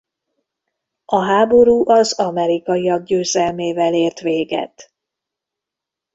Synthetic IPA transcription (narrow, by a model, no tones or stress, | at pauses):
ʔɒɦaːbo̞ɾuːʔɒzɒmɛɾikɒjiɒɡ̚ɟøːzɛlmeːvɛleːrt̪ʋeːɡɛ̰t̪